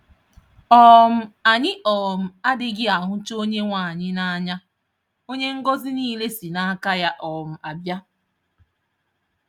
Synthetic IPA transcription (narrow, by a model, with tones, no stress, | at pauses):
ɔː˦˨m̩˨a˨ɲɪ˦ʔɔː˨m̩˨a˦dɪ˦ɡɪ˦a˨ɦʊ˦t͡ʃo˦ɲe˦ŋʷaː˦˨ɲɪ˦na˦a˦ɲa˦ | o˦ɲe˦ŋ̩˦ɡɔ˦zɪ˦niː˦le˦si˨na˦ka˦ja˦ʔɔ˨m̩˨a˨bja˦